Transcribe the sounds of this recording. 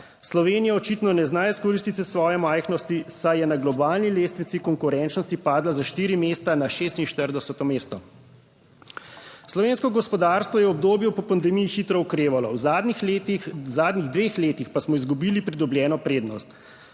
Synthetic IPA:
slɔʋeːnijaɔt͡ʃiːt̪nɔnɛznaːjiskɔɾiːst̪it̪isʋɔːjɛmajxnɔst̪isajɛnaɡlɔbaːlnileːst̪ʋit̪sikɔŋkuɾɛnt͡ʃnɔst̪ipaːd̪lazaʃt̪iːɾimeːst̪anaʃeːst̪inʃt̪əɾd̪ɛsɛt̪ɔmeːst̪ɔ | slɔʋeːnskɔɡɔspɔd̪aːɾst̪ʋɔjɛɔbd̪oːbjupɔpand̪ɛmijixit̪ɾɔukɾeːʋalɔwzad̪t̪izaːd̪niɣd̪ʋeːxleːt̪ixpasmɔizɡubiːlipɾid̪ɔbljɛːnɔpɾeːd̪nɔst̪

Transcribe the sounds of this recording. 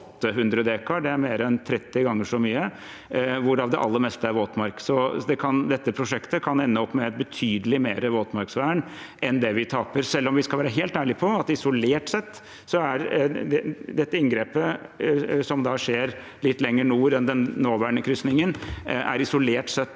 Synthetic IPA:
t̪ːəɦʉnd̪ɾəd̪eːkɑɖɛæɾmeːɾəɛnt̪ʰɾɛt̪ːɪɡɑŋːəʂɔmyːə | ʋʊɾɑʋd̪ɛʔɑlːəɾmɛst̪əæɾʋoːt̪mɑɾksɔd̪ɛkʰɑnd̪ɛt̪ːəpʰɾʊʂɛkt̪əkʰɑnɛnːəɔpːmɛt̪bət̪ʰyːd̪əlɪmeːɾəʋoːt̪mɑɾksʋæːəɳ | ʔɛnd̪ɛʋɪt̪ʰɑːpəɾsɛlːɔmʋɪskɑlʋæːɾəɦeːlt̪æːɭɪpʰɔɑt̪ɪsʊleːʈsɛt̪ː | sɔæɾd̪ɛd̪ɛt̪ːəɪŋɡɾeːpə | sɔmd̪ɑʂeːɾ | lɪt̪ːlɛŋːəɳuːɾɛnd̪ɛnːoːʋæːɳəkʰɾʏst̪nɪŋənæ̰ɾɪsʊleːʈsɛt̪ː

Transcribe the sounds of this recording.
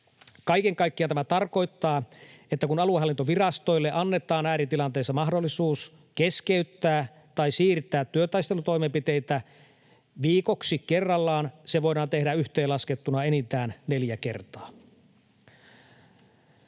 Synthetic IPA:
kɑijkeŋkɑjkːiɑnt̪æmæt̪ɑrko̞jt̪ːɑːet̪ːækunɑlueɑlːint̪oʋirɑst̪o̞jlːeʔɑnːe̞t̪ˑɑːnæːɾit̪ilɑnt̪e̞ːsːɑmɑɦdolːˑisuːs | ke̞skeyt̪ːæː | t̪ɑisiːrt̪ːæːt̪ːyøt̪ɑjst̪elut̪o̞jmempit̪e̞jt̪æ | ʋiːko̞ksike̞rːɑlːɑːnseʋo̞jdɑːnt̪e̞hdæyçt̪eːlɑsket̪ːunɑenit̪æːnne̞ljæke̞̰rt̪ɑː

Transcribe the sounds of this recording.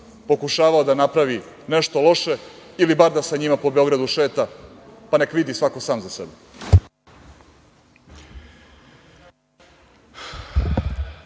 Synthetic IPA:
po̞kuʃaːʋaod̪anapɾaʋi | ne̞ʃt̪o̞lˠo̞ʃe̞ilibaɾd̪asaɲimapo̞beo̞ɡɾad̪uʃe̞ːt̪apane̞kʋid̪isʋakosaːmzasḛbɛ

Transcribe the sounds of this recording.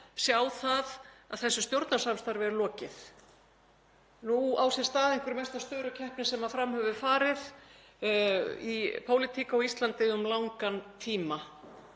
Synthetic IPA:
sjawθaðaðθɛsːʏst̪jowɾt̪nasamst̪aɾvɛɾʏlɔːcɪθ | nuawsɛ̥st̪aːðeŋkvʏɾmɛst̪ast̪œːɾʏcʰɛhpnɪsɛmaðfɾamhɛvʏfaːɾɪð | ipʰoːwlɪt̪ʰiːkaawist̪lant̪ɪʏmlawŋkant̪ʰiːma

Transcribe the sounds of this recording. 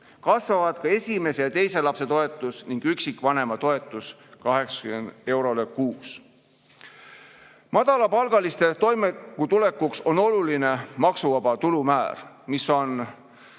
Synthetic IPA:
kɑsvɑvɑd̪̥kɑe̞sʲime̞sejɑt̪e̞jse̞lɑpse̞t̪o̞e̞t̪ːˑusniŋɡ̥yksikːˑvɑne̞mɑt̪o̞e̞t̪ˑːuskɑɦe̞ksɑ̥kymend̪̥e̞wɾo̞le̞kuːs | mɑd̪ɑlɑpɑlɡ̥ɑlist̪e̞t̪o̞jmekːut̪ule̞kːukso̞no̞luline̞mɑksuvɑb̥ɑt̪ulumæːɾ | miso̞n

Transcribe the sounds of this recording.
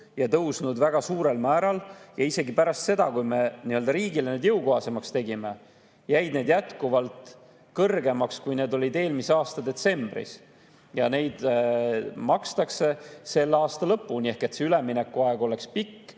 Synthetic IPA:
jɑt̪ɤwsnud̪væɡ̥ɑsuːɾe̞lmæːɾɑljɑise̞ɡipæɾɑst̪se̞d̪̥ɑkujme̞niːø̞ld̪̥ɑɾiːɡileneːd̪jɤwkoɦɑse̞mɑkst̪e̞ɡ̥ime̞ | jæjd̪neːd̪̥jæt̪kuvɑlt̪ | kɤrɡe̞mɑkskujne̞ːd̪o̞lʲid̪e̞ːlmiseɑːst̪ɑd̪e̞t̪se̞mb̥rḭs | jɑne̞jd̪̥ | mɑkst̪ɑkse̞se̞lːɑːst̪ɑlɤpːunie̞hke̞t̪seyleminekːˑuɑe̞ɡ̥o̞le̞kspikː

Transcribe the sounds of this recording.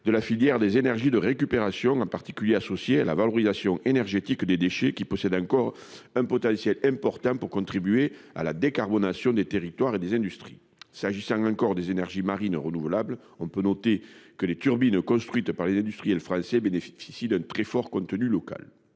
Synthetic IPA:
d̪əlafiljɛʁəd̪ezenɛʁʒid̪əʁekypeʁasjɔ̃ɑ̃paʁt̪i̥kʲyljeasɔsjeala̰valɔʁizasjɔ̃enɛʁʒet̪ikd̪ed̪eʃekʲipɔsɛd̪ɑ̃ŋkɔʁɛ̃pɔt̪ɑ̃sjɛlɛ̃mpɔʁt̪ɑ̃puʁkɔ̃t̪χibye | a̰lad̪ekaʁbɔnasjɔ̃d̪et̪eʁit̪waʁed̪ezɛ̃nd̪yst̪χi̥̰ | saʒisɑ̃ŋɑ̃ŋkɔʁd̪ezenɛʁʒimaʁinəʁənuvəlablə | ɔ̃pønɔt̪ekəlet̪yʁbinəkɔ̃st̪χɥit̪əpaʁlezɛ̃nd̪yst̪χijɛlfχɑ̃sɛbeneffisid̪ɛ̃nt̪χɛfɔʁkɔ̃nt̪ənylɔka̰l

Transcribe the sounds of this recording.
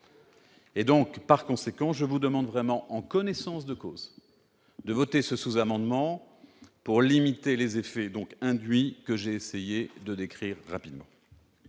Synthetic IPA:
ed̪ɔ̃kpaʁkɔ̃sekɑ̃ʒəvud̪əmɑ̃d̪vʁɛmɑ̃ʔɑ̃kɔnɛsɑ̃sd̪əkoːz | d̪əvɔt̪esəsuzamɑ̃d̪mɑ̃ | puʁlimit̪elezefɛd̪ɔ̃kɛ̃d̪ɥikəʒeːsejed̪əd̪ekχiʁːapid̪mɑ̰̃

